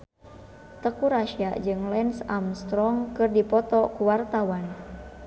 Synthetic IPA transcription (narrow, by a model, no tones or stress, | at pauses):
t̪əkuɾaʃiad͡ʒɨŋlɛnsamst̪ɾɔŋkɨrdipɔt̪ɔkuwart̪awan